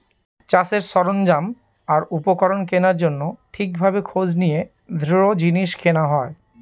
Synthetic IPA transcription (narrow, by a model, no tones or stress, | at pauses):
t͡ɕaseɾsɔɾond͡ʑam | aɾupokɔɾonkenaɾd͡ʑonːoʈʰik̚bʱabekʰod͡ʑnije | d̪ʱɾiɾod͡ʑiniʃkʰenaɦɔe